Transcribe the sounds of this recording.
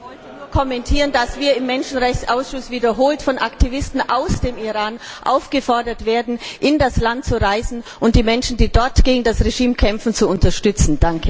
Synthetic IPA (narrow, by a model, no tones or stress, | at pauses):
vɔlnuːɐkʰɔmɛntʰiːʁəndasv̥iːɐɪmːɛnʃn̩ʁɛçt͡ssʔaʊsʃʊsv̥iːdɐɦoːltfɔnʔaktʰivɪstn̩ʔaʊsd̥eːmiʁaːnʔa̰ʊfɡ̥əfɔɐdɐtv̥eːɐdn̩ʔɪndaslant̚t͡suʁaɪzn̩ʔʊnt̚d̥iːmɛnʃn̩diːdɔɐtɡ̥eːɡŋ̩dasʁeʒiːmkʰɛmfn̩t͡suʊntɐʃtʏt͡sn̩d̥aŋkʰə